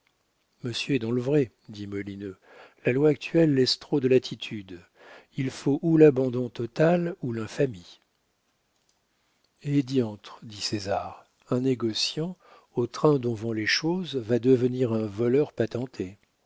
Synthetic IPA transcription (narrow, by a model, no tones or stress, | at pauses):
məsjøɛd̪ɑ̃ləvʁɛ | d̪imɔlinø | lalwaːk̚t̪ʰɥɛlːɛst̪χod̪əlat̪ʰit̪ʰyd̪ | ilfoʔulabɑ̃d̪ɔ̃t̪ɔt̪alulɛ̃fami | ed̪jɑ̃t̪χd̪isezaʁ | ɛ̃neɡɔsjɑ̃ | ot̪χɛ̃d̪ɔ̃vɔ̃leʃozvad̪əvəniʁɛ̃vɔlœʁpat̪ɑ̃t̪ʰe